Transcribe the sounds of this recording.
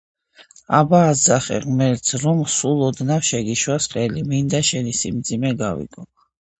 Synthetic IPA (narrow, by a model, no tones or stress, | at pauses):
abaːd̪zaχɛ̰ʁmɛɾt̪sʰɾɔmsulˠɔd̪nafʃɛɡiʃwasqʼɛlimind̪aʃɛnisimd̪zimɛɡavḭɡɔ